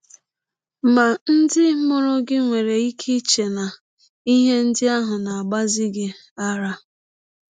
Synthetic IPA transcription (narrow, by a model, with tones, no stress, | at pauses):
ma˨n̩˦dɪ˦mʊ˦ɾʊ˦ɡɪ˦ŋʷe˨ɾe˨i˦kʰi˦t͡ʃe˨na˨ | i˦ɦe˦n̩˦dɪ˦a˦ɦʊ˨na˨a˨ɡ͡ba˦zɪ˦ɡɪ˦ | a˦ɾa˦